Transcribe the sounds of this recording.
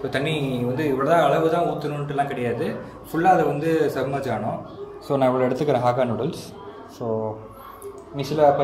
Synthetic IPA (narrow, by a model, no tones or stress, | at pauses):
soːt̪ɐɳːiʋɐnd̪ɯɪʋːɐɭoːðãːɐɭɐʋɯt̪ãːuːt̪ːɯnunʈːɪlːãːkɪɽɐjaːðɯ | fʊɭːaːɐðɛʋɐnd̪ɯsɐbmɐːd͡ʒaːɳʊ̃soːnãːɪʋɐɭoːɛɽɯt̪ːɯkːɪɾẽːɦaːkaːnʊɽɐls | soː | niːsɪlɐpːɐ